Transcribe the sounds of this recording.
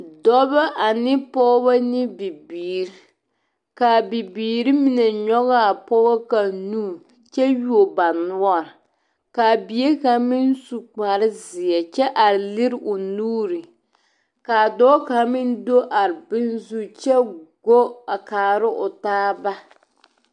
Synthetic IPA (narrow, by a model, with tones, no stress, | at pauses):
dɔ˦ba˦ʔa˨nɪ˦pɔ˦ba˦nɪ˦bi˨biː˨ɾɪ˦ | ka˨bi˨biː˨ɾi˦mi˦nɛ˨ɲɔ˦ɣa˦a˨pɔ˦ɣa˦ka˨nuː˦˨ | t͡ʃɛ˦ju˦o˨ba˨nʊ˦ɔ˦˨ɾ | ka˨bi˨˦e˦ka˨mɪ˦n˦su˨k͡pa˨ɾɪ˦zɪ˨ɛ˨t͡ʃɛ˦ʔa˨ɾlɪ˦ɾʔʊ˨nuː˦ɾɪ˨ | ka˨dɔː˦ka˨˦mɪ˦n˦do˦ʔa˨ɾɨ˨bɪ˦nzu˦t͡ʃɛ˦ɡo˦a˨kaː˨ɾɪ˦ʔʊ˨taː˦ba˦